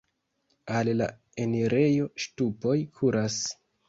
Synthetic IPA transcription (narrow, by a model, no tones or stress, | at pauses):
alla̰ | e̞niɾe̞jo̞ʃtupo̞jkʰuɾas